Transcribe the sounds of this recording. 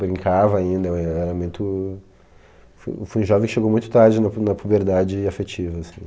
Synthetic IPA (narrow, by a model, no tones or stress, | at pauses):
bɾĩŋkavɐːĩnd̪ɐɛɾɐmũj̃t̪ʊ | fofojũʒɔvẽkɪʃeɡowmũj̃t̪ʊ̥t̪aɾd͡ʒɪnɐnɐpubeɾd̪ad͡ʒɪafet͡ʃivɐːsĩ̥